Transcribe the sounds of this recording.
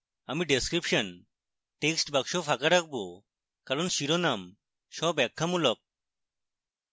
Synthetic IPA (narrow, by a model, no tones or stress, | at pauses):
amiɖeskɾipʃɔn | ʈeksʈbakʃopʰakaɾak̚ʰbo | kaɾɔnʃiɾonam | ʃɔbɛkʰːamulɔk̚